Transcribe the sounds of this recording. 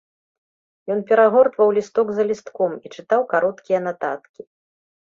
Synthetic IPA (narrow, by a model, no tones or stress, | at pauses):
jɔnpʲɛɾaɣɔrt̪vɐwlʲist̪ɔɡzɐlʲist̪kɔmit͡ʂɨt̪awkaɾɔt̪kʲijɐnat̪at̪kʲi